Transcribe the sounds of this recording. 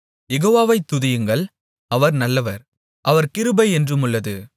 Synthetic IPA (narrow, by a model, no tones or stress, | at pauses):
jɛɣoːʋaːʋɐɪt̪ːʊðɪjɯŋɡɐɭ | ɐʋɐɾnɐlːɐʋɐɾ | ʔɐʋɐɾkɪɾɯbɐɪɛndrɯmɯɭːɐðɯ